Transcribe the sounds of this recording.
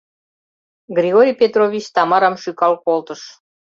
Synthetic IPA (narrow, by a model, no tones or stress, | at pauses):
ɡrʲiɣoɾʲijpʲet̪rovʲit͡ɕt̪ɑmɑɾɑmʃykɑlkolt̪əʃ